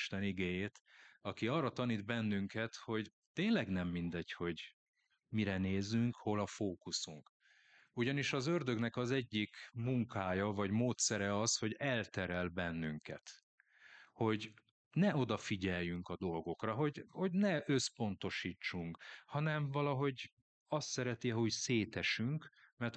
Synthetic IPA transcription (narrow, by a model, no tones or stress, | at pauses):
ʃt̪ɛniɡeːjeːt̪ɒkiɒːrɒt̪ɒniːd̪bɛnːyŋkɛt̪ho̞ɟ | t̪eːnlɛɡnɛmːind̪ɛɟho̞ɟ | miɾɛneːzyŋkho̞lɒfoːkusuŋk | uɟɒniʃɒzørd̪ø̞ɡnɛkɒzɛɟːikmuŋkaːjɒvɒɟmoːt̪sɛɾɛɒsho̞ɟɛlt̪ɛɾɛlbɛnːyŋkɛ̰t̪ | ho̞ɟ | nɛo̞d̪ɒfiɟɛjjːyŋkɒd̪o̞lɡo̞krɒɦo̞ɟho̞ɟnɛʔø̞spo̞n̪t̪o̞ʃiːt͡ʃːuŋkhɒnɛɱvɒlɒɦo̞ɟ | ɒst̪sɛɾɛt̪iɒɦocseːt̪ɛʃyŋkmɛrt̪